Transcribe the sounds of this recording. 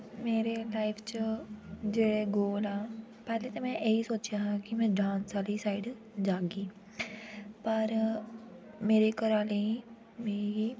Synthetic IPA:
meːɾelaːɪpʰt͡ʃəd͡ʒeːɽeɡoːlaː | pɛːlet̪omɛ̃jɐɦisoːt͡ʃjaɦɛkimɛ̃ɖãːnsaːlisaːɪɖ | d͡ʒaːɡiː | pɐɾ | meːɾekɐɾaːlẽĩ | mei

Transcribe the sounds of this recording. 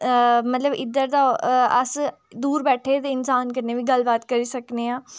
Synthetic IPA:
mət̪ləbɪd̪əɾd̪aːəs | d̪uːɾbɛːʈʰeːd̪eɪnsaːnkəɾneːʋiːɡəlbaːt̪kəɾiːsəkneːãː

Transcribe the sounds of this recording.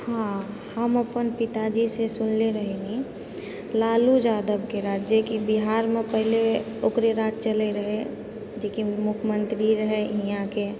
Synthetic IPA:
hã | həməpənpɪt̪ad͡ʒisesʊnleɾəɦeŋɡi | laːlud͡ʒaːd̪əbkeɾaːd͡ʒjəkibiɦaːɾmẽpəɦɪle | okɾeɾaːt̪̚t͡ʃəleɾəɦe | d͡ʒekimʊkʰmə̃nt̪ɾiɾəɦeɦijãke

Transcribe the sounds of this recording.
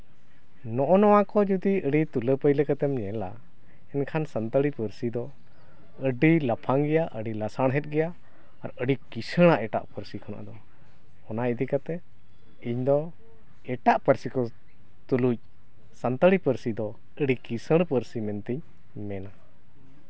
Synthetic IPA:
nɔʔɔnɔwakɔd͡ʒud̪iəɖit̪uləpəjləkat̪ɛmɲɛla̰ | ɛnkʰansant̪əɽipəɾsid̪ɔ | əɖilapʰaŋɡɛjaʔəɖilasaɽ̃ɦɛt̪̚ɡɛjaː | ɾəɖikisəɽ̃aʔɛʈa̰ʔpəɾsikʰɔna̰ʔd̪ɔ | ɔnajd̪ikat̪ɛ | iɲd̪ɔ | ɛʈaʔpəɾsikɔ | t̪uluc̚ | sant̪əɽipəɾsid̪ɔ | əɖikisəɽ̃pəɾsimɛnt̪iɲ | mɛna

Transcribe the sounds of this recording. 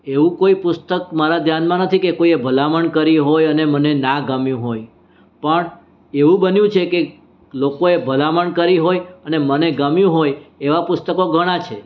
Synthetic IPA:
eʋũkoipʊst̪əkmaɾad̪ʱjanmãnət̪ʰikekoiebʱəlaməɳkəɾiɦojənemənenaɡəmjũɦoj | pəɳ | eʋũbənjũt͡ʃʰeke | lokoebʱəlaməɳkəɾiɦojəneməneɡəmjũɦojeʋapʊst̪əkoɡʱəɽ̃at͡ʃʰe

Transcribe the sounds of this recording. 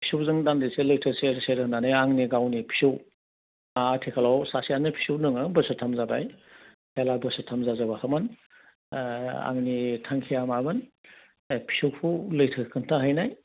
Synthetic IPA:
pʰi̥suwzɯŋdandiseləjtʰəseɾseɾnanɯjaŋniɡawnipʰi̥suw | atʰekʰalawsasijanɯpʰi̥suwnɯŋɯbɯsɯtʰamzabaj | helabɯsɯtʰamzazabahamɯn | a̰ŋnitʰaŋkʰijamabɯn | pʰi̥suwpʰulɯjtʰəkʰɯntʰaɦajnaj

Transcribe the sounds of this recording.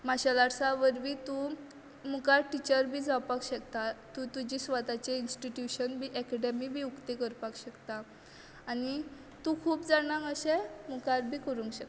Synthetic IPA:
maɕalaɽsaʋəɾʋit̪u | mukaʈit͡ɕəɾbʱiːd͡zawpakɕəkt̪at̪ũt̪ud͡ʑisʋat̪at͡ɕeinsʈiʈjuɕənbʱiʔɛkɛɖemibʱiːukt̪ekəɾpakɕəkt̪aː | ni | t̪ũkʰuːpd͡zañãkəɕemukaɾbʱiːkəɾũŋkɕək

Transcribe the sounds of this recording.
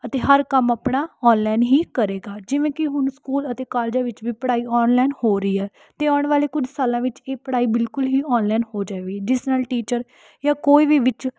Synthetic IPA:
ət̪eːɦəɾkəmaːpɳaːɔːnlaːnɦiːkəɾeːɡaːd͡ʒɪʋẽːkɪɦʊnskuːlət̪eːkaːld͡ʒaːʋɪt͡ʃʋiːpəɽaːiːɔːnlaːɪnhoːɾəiːɛː | t̪eːaːɳʋaːleːkʊd͡ʒsaːlãːʋɪt͡ʃeːpəɽaːiːbɪlkʊlɦiːɔːnlaːnhoːd͡ʒaːeːɡiːɖɪsnaːlʈiːt͡ʃəɾ | jaːkoːiːʋiːʋɪt͡ʃ

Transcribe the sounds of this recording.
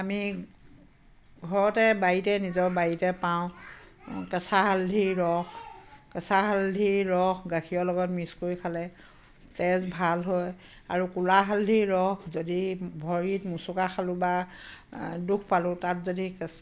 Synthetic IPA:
ami | ɡʱɔɹɔtɛbajitɛnizɔɹbajitɛpaʊ̃ | kɛsaɦaldʱiɹɔxkɛsaɦaldʱiɹɔxɡakʰiɔlɔɡɔtmiskoɹikʰalɛ | tɛzbʱalɦɔj | aɹukulaɦaldʱiɹɔxzodibʱɔɹitmusʊkaxʰalʊ̃ba | dukʰpalʊ̃tatzodikɛ

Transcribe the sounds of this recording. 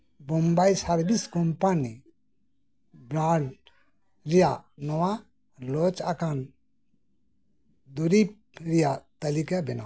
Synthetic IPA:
bɔmbajsaɾbiskɔmpani | bɾaɖ | ɾijanɔwa | lɔt͡ʃakan | d̪uɾip̚ | ɾijat̪ɐlikɛbɛna

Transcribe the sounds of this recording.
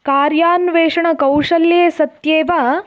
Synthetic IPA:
kaːɾjaːnʋeːʂɐɳɐkɐwʂɐljeːsɐt̪jeːʋa

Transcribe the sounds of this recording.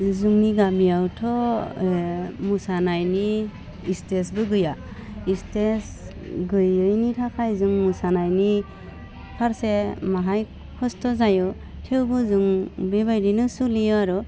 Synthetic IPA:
zuŋniɡamijawtʰɔ | musanajniː | stesbɯɡɯja | istes | ɡɯjɯjnitʰakʰajzɯŋmusanajni | pʰaɾsemaɦaj | kʰɔstʰɔzajɔ | tʰewbɯzuŋbebajɾinɯsulijɔaɾu

